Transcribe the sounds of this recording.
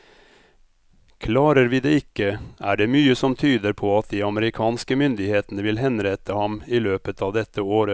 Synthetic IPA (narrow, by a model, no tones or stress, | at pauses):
kʰlɑːɾəɾʋiːd̪eːɪkːəæːɖeːmyːəsɔmt̪ʰyːd̪əɾpʰoːɑt̪̚d̪iːɑməɾɪkʰɑːnskəmʏnd̪ɪheːt̪nəʋɪlɦɛnɾæt̪əhɑmiːløːpət̪ʰɑːʋd̪ɛt̪ːəoːɾə